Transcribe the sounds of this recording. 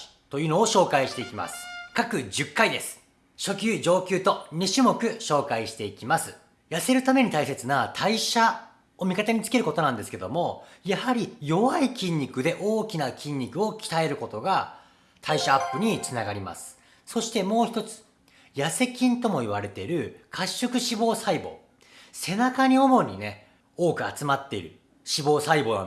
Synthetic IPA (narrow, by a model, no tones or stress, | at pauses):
t̪o̞jɯno̞ːɕo̞ːkaiɕi̥t̪e̞ikʲima̰sɨ̥kakɯ̟d͡ʑɨkːaid̪e̞sɨ̥ | ɕo̞kʲɨːd͡ʑo̞ːkʲɨːt̪o̞ɲ̟ʲiɕimo̞kɯ̟ɕo̞ːkaiɕi̥t̪e̞ikʲimasɨ | jase̞ɾɯ̟t̪ame̞ɲ̟it̪aise̞t͡sɨnat̪ʰaiɕa | omʲikat̪aɲ̟it͡sɨ̥ke̞ɾɯ̟ko̞t̪o̞nãnd̪e̞sɨ̥ke̞d̪o̞̰mo̞jahaɾʲijo̞βaikʲĩɲ̟ʲːikɯ̟d̪e̞ʔo̞ːkʲinakʲĩɲ̟ʲːikɯ̟o̞kʲi̥t̪ae̞ɾɯ̟ko̞t̪o̞ɡa | t̪ʰaiɕaːpːɯɲ̟it͡sɨnaɡaɾʲima̰sɨ̥ | so̞ɕi̥t̪e̞mo̞ːçi̥t̪o̞t͡sɨ̥ | jase̞kʲĩnt̪o̞mo̞iβ̞aɾe̞t̪e̞iɾɯ̟kʰaɕːo̞kɯ̟ɕibo̞ːsaibo̞̰ː | se̞nakaɲ̟io̞mo̞ɲ̟ine̞ | o̞ːkɯ̟a̰t͡sɨmat̪ːe̞iɾɯ̟̰ | ɕibo̞ːsaibo̞ːnã̰